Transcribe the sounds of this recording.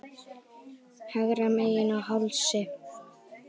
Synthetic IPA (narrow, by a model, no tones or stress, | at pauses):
haɣɾamejɪnahawlsɪ